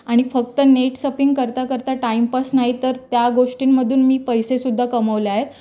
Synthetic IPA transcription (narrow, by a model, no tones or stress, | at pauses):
aɽ̃ifək̚t̪əneʈsəpiŋɡkəɾt̪akəɾt̪aʈaimpasnaɦit̪əɾt̪jaɡoʂʈiːnməd̪ʱuːnmiːpəjsesud̪ʱːakəməʋlaɦet̪